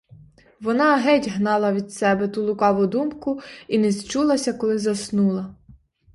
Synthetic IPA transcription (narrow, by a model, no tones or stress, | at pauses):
ʋɔnɑɦɛtʲɦnɑlˠɐʋʲid̪sɛbɛt̪ulˠʊkɑʋʊd̪umkʊinest͡ʃulˠɐsʲɐkɔlˠɪzɐsnulˠɐ